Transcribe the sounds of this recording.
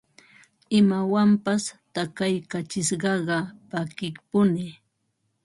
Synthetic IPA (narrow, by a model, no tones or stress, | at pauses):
ɪmawampast̪akajkat͡ʃɪʃɢɑɢɑpakɪkpʊnɪ